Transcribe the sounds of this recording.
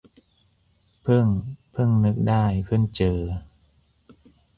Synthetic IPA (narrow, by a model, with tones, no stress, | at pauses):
pʰɯ˥˩ŋpʰɯ˥˩ŋnɯ˦˥k̚daː˥˩jpʰɯ˥˩ŋt͡ɕɤː˨˩